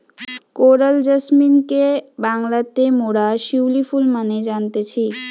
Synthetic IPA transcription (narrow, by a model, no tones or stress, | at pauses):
koɾald͡ʑəsminkebaŋlat̪emoɽaʃiwlifulmaned͡ʑant̪et͡ɕʰi